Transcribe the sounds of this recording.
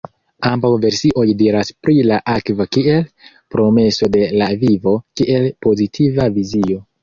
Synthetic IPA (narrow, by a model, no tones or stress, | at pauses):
ambawve̞ɾsiʔo̞jdiɾaspɾilaʔakvakie̞l | pɾo̞me̞so̞de̞lavivo̞kiʔe̞lpo̞zitʰivavizio̞